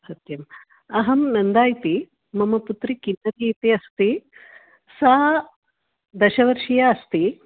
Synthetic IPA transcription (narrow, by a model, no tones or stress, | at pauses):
sɐt̪jɐm | ɐɦɐmnɐnd̪aːjt̪i | mɐmɐput̪ɾikinːɐt̪iːt̪iɐst̪i | sa | d̪ɐʃɐʋɐɾʃijaɐst̪i